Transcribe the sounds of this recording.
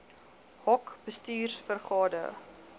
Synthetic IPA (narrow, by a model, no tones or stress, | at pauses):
hɔkb̥əstiːrsfərχɑːdə̰